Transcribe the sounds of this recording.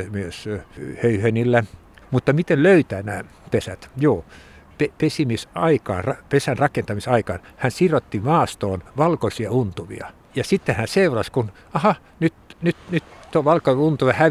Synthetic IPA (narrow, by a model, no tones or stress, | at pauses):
myøshøyhønilːæ | mut̪ːɑmit̪enløyt̪æːnæ̰ː | pesæt̪joː | pepesimisɑikɑːnrɑpesænrɑkent̪ɑmisɑikɑːnhænsirot̪ːimɑːst̪oːnʋɑlkosiɑunt̪uʋḭɑ̰ | jɑsit̪ːehænseurɑskun | ɑhɑ | nyt̪nyt̪nyt̪t̪uoʋɑlkoiunt̪uʋehæ